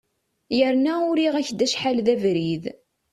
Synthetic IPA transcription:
jəɾnæʊɾiʁæçd̪æʃħalðævɾið

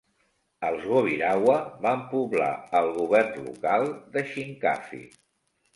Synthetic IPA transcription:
əlˠzɣoβiɾawəβampuβla̰əlˠɣ̞uβɛrnlṵkalˠd̪əʃiŋka̰fḭ

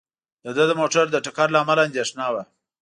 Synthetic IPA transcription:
d̪əd̪əd̪əmoʈaɾd̪əʈakaɾlaːmaland̪eʂnɑwa

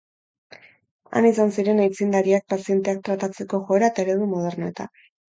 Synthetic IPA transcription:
a̰nisansiɾe̞najt͡sind̪aɾiak̚pasie̞nt̪e̞ak̚t̪ɾat̪at͡se̞ko̞ʝo̞eɾaet̪aeɾe̞ðumoð̞e̞ɾne̞t̪a̰

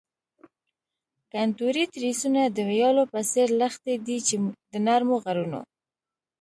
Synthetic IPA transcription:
kant̪uɾit̪ɾisunad̪əwjɑlopəseɾləxt̪ed̪it͡ʃed̪ənaɾmoɣaɾuno̰

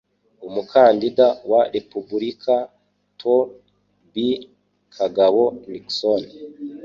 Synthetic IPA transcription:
umukʰaːndidawaɾepubuɾikʰa | tʰo | bi | kʰaɡawonikson

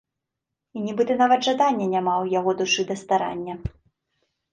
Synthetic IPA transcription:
inʲibɨt̪ɨnavɐd̪ʐad̪anʲːɐnʲamawjaɣɔd̪uʂɨd̪ɐst̪aɾa̰nʲːɐ

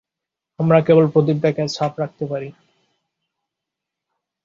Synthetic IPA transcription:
amɾakebolpɾot̪̬ip̚d̪ɛkʰat͡ɕʰapɾak̚t̪epaɾi

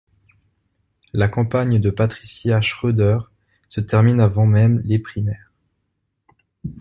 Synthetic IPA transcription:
lakɑ̃paɲd̪əpat̪χisjaʃχød̪œʁ | sət̪ɛʁminavɑ̃mɛmlepχimɛːʁ

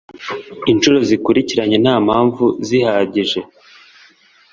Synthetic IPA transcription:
int͡ʃuɾo̞zikuɾiciɾaɲe̞naːmhaːɱvuzihaːɟiʒe̞

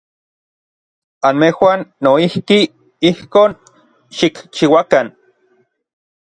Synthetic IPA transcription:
anmehwanːoihki | ihkoːn | ʃikt͡ʃiwakan

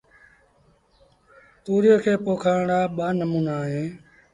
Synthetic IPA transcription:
t̪uːɾjoːkʰeːpoːkʰaːɳɳaːɓaːnəmuːnaːɦeː

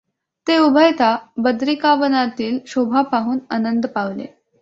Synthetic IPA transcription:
t̪eubʱəjt̪ʰabəd̪ɾikaʋənat̪iːlɕobʱapaɦuːnanənd̪paʋlḛ

